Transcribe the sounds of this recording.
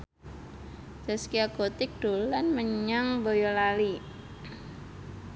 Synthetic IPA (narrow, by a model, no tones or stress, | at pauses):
d͡ʒ̥a̤skiaɡot̪ɪk̚d̥olanməɲaŋbojolali